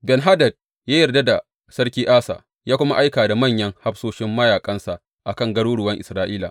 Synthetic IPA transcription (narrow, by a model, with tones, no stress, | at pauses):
bɛ˨nɦa˦dɐ˨d̚ | jaː˦jɐ˨rda˦da˨ | sɐ˦ɽkʲiː˦ʔaː˦sa̰ː˨ | jaː˦kʷʊ˦ma̰˦ʔa˦jkaː˨da˨mɐ˦˨ɲjɐ˦ŋha˦ɸsoː˦ʃɪ˦mːɐ˦jaː˨kʼɐ˦nsa˨ʔ | ʔa˨kɐ˦˨ŋɡɐ˦ɽuː˦ɽʊ˨wɐ˦ŋʔɪ˨sɾaː˦ʔiː˦la̰ː˨